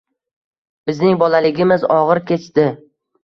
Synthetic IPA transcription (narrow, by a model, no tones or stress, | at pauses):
b̥ɪznɪŋbɒlalɪɡʲɪmɪzɒʁɨɾkʲʰe̞t͡ʃt̪ɪ